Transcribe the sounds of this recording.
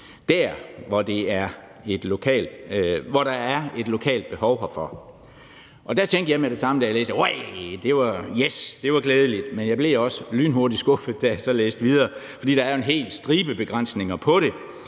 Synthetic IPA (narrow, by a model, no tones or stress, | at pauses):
d̥æɐ̰ʋɒd̥e̝æɐ | e̝d̥lo̝kʰɛ̰ːld̥ʋɒɾɑ̈æɐe̝d̥lo̝kʰɛ̰ːld̥̚b̥e̝hɒʊhfɒ̽ | ʔɒ̽d̥æt͡sʰeŋ̰ɡd̥əjɑ̈ɪmeɾe̝sɑ̈məd̥æjalḛːsd̥əwaɪd̥e̝ʋɑjesd̥e̝ʋɑ̈ɡ̥leːð̞ˠlid̥menjɑ̈ɪb̥le̝ɒ̽səlyːnɦo̝ɐɾisɡ̥o̽fð̩ˠd̥æjæsɒ̽leːsd̥ʋið̞ˠɐːfɒ̽d̥ḭːd̥ɑæɐe̝nɦe̝̰ːlsd̥ʁiːb̥əb̥e̝ɡ̥ʁɑn̰sne̝ŋɐpʰɒ̽ɾe̝